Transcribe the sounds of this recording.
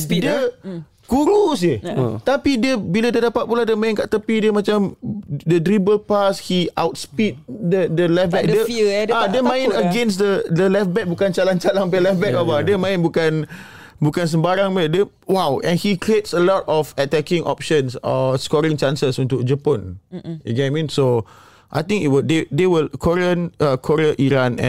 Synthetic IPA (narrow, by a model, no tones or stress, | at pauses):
də | kuɾus̬it̪apidiəbiladədapat̚puladəmãɪ̃nka̰ʔt̪əpidəmãt͡ʃamdədɾibəlpashiʔawt̚spit̚dədəlɛfbɛk̚dəadəmãj̃nəɡɛ̃ns̬dədəlɛfbɛk̚bukant͡ʃalant͡ʃalaŋpɛlɛfbɛk̚babadəmãɪ̃nbukãn | bukãns̬əmbaɾãŋmɛdɛ | wawʔɛ̰̃nhikɹietsəlɔtɔfətɛkĩŋʔɔ̰p̚ʃə̃nsɔskɔɾĩŋt͡ʃãnsəsũntuk̚d͡ʒəpɔ̃na̰ɡɛ̃amĩnso | ʔa̰jt̪ĩŋit̚wədedewəlkʰɔɹiə̃nakʰɔɾiəʔiɾãnɛ̰̃